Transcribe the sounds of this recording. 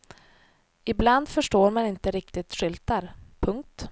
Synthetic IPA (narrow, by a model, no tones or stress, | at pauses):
ɪbland̪fœʂʈoːɾmanɪnt̪əɾɪk̚t̪ɪt̪ɧʏlt̪aɾpʰɵŋk̚t̪